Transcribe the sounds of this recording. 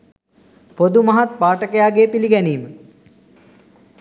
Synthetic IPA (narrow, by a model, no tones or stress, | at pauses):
pod̪umɐɦat̪̚paːʈəkəjaːɡeːpiliɡɛniːmə